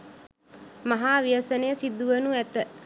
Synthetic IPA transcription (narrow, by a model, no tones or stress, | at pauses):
maɦaːʋijəsənəjəsid̪ːuʋənuæt̪ə